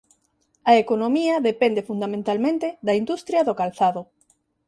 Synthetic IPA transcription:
ɐekonõmiɐðepend̪efund̪amẽnt̪almẽnt̪ɪðɐind̪ust̪ɾjɐðokalθaðo

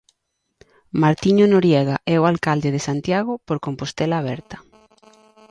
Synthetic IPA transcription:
maɾt̪iɲonoɾjɛɣaʔɛoalkald̪eðesant̪jaɣ̞opoɾkompost̪ɛlaːβ̞ɛɾt̪ɐ

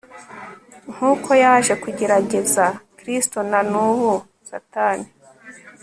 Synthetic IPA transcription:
ŋ̥uːkʰo̞jaːʒe̞kuɟe̞ɾaɟe̞zakɾistonanuβu | sataːni

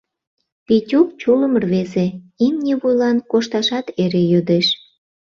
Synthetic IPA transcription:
pitʲup̚t͡ɕuləmrβezeimnʲiβujlɑnkoʃt̪ɑʃɑt̪eɾejød̪eʃ

